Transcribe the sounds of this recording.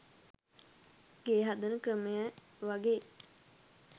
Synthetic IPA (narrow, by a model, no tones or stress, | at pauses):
ɡeːɦad̪ənəkɾəmejə | ʋaɡe